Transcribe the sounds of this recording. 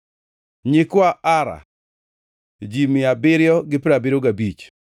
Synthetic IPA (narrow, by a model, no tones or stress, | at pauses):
ɲɪkwaaɾa̰ | d͡ʒimɪabɪɾjɔɡɪpɾabɪɾoɡabit͡ʃ